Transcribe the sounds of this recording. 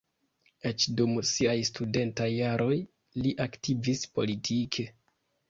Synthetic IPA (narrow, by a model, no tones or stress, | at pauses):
et͡ʃdumsiajstude̞ntajːaɾʔo̞j | liʔaktivispo̞̰litʰikʰe